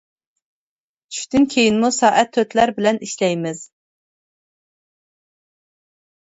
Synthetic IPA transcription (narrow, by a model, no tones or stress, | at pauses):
t͡ʃʰy̥ʃʲt̪ɪnkʲʰejinmusɑːʔæt̪ʰːøt̪ʰlæɾbɪlɛniʃlɛjmɪz̥